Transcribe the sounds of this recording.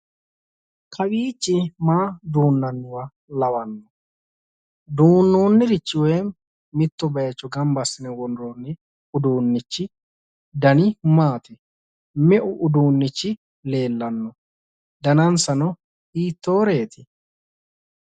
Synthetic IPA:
kʰɐbiːt͡ʃːɪmaːd̪uːnːɐnːɪwɐ | lɐwɐnːɔ | d̪uːnːuːnːɪɾɪt͡ʃːɪweːmː | ɪt̪ːɔbɐɐt͡ʃːɔɡɐmbɐsɪnɛwɔnɾoːnːɪ | ʊd̪uːnːɪt͡ʃːɪ | d̪ɐnɪmaːt̪ɪ | mɛʔʊʔʊd̪uːnːɪt͡ʃːɪ | le̞ːlːɐnːɔ | d̪ɐnɐnsɐnɔ | iːt̪ːoːɾe̞ːt̪ɪ

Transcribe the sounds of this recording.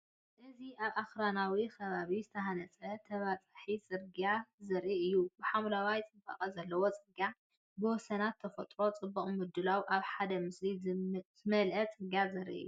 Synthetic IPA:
ʔɨziʔaβʔaxɾanawikʰɐβaβizɨt̪ʰɐɦanɐt͡sʼɐt̪ʰɐβat͡sʼɨħisʼɨɾɡazɨɾʔiʔɨjːubɨħamlawajt͡sʼɨbɐ̰kʼɐzɐlːɐwo̞t͡sʼɨɾɡa | bɨwɔsɐnat̪ʰːɐfɐt̪ʼɾo̞t͡sʼɨbːɐqʼmɨd̪ɨlawʔaβħad̪ɐmɨsliz | mɐlʔɐt͡sʼɨɾɡazɨɾʔḭɨ̰jːu

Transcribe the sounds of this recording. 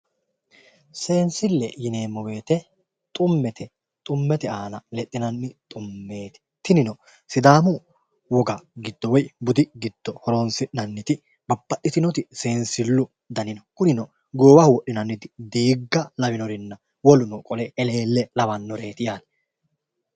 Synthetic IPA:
se̞ːnsɪlːɛjɪne̞ːmːɔwe̞ːt̪ɛ | t̪ʼʊmːɛt̪ɛ | t̪ʼʊmːɛt̪ɛaːnɐlɛt̪ʼːɪnɐnːɪt̪ʼʊmːe̞ːt̪ɪ̥ | t̪ɪnɪnɔ | sɪd̪aːmʊ | wɔɡɐɡɪd̪ːɔwɔjbʊd̪ɪɡɪd̪̥ːɔhɔɾɔnsɪnɐnːɪt̪ɪ | bɐbːɐʔːɪt̪ɪnɔt̪ɪse̞ːnsɪlːʊ | d̪ɐnɪnɔkʊnɪnɔ | ɡoːwɐwɔʔɪnɐnːɪd̪ɪd̪iːɡːɐlɐwɪnɔɾɪnːɐ | wɔlʊnɔkʼɔlɛɛle̞ːlːɛlɐwɐnːɔɾeːt̪ɪjaːt

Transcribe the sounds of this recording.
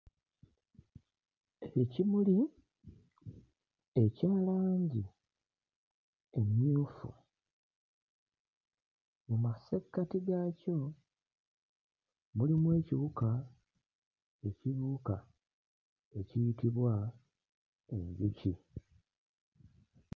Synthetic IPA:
ecimuli | e̞caːlaːɲɟi | e̞mjoːfṵ | mumase̞kːatiɡaco̞ | mulimwe̞ːciβuka | e̞ciβuka | e̞cijitiβwa | ḛɲɟici

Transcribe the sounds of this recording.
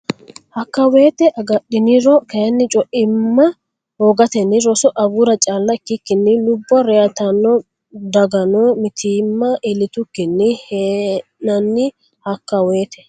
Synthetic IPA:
hɐkːɐwe̞ːt̪ɛʔɐɡɐɗːɪnɪɾɔkɛjɐnːɪt͡ʃʼɔʔɪmːɐ | hoːɡɐt̪ɛnːɪɾɔsɔʔɐbuɾɐt͡ʃʼaːlːɐkːɪkːɪnːɪlʊbːɔɾɛɐt̪ɐnɔ | d̪ɐɡɐnɔmɪt̪ʰiːmːɐʔɪlːɪt̪ʊkːɪnːɪheːnɐnːɪ | hɐkːɐweːt̪ɛ̥

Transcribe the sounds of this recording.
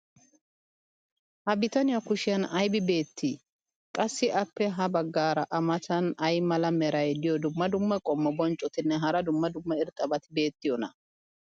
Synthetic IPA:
hɐbɪt̪ɐnɪjɐkʊʃɪjɐnɐjbɪbe̞ːt̪ʰːi | kʼɐsːɪʔɐpːɛɦɐbɐɡːaːɾɐʔɐmɐt̪ɐnɐjmɐlɐmɛɾɐjd̪ɪjɔd̪ʊmːɐd̪ʊmːɐkʼɔmːɐbɔnt͡ʃʼːɔt̪ɪnːɛɦɐɾɐd̪ʊmːɐd̪ʊmːɐɪɾt̪ʼɐbɐt̪ɪ̥be̞ːt̪ːɪjɔnɐ

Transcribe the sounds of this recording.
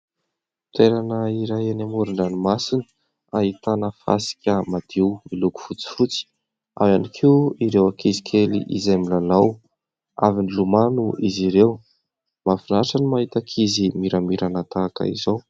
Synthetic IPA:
t̪eɾanəiɾaɦenamuɾiɳɖ͡ʐanimasini̥ | aɦit̪anəfa̰si̥kʲəmad̪̥iwmiluku̥fut͡si̥fut͡si̥ | a̰wanikʰiuiɾewakizi̥kʰelḭʔizamilalaw | a̰vinlumanuʔiziɾew | mafinaʈ͡ʂanimaɦit̪akʰizimiɾamiɾanat̪akə̰ḭzow

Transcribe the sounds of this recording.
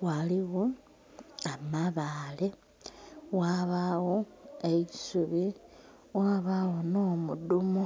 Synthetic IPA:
waliɣo | amaβale | waβawoeisuβi | waβawonomudumu

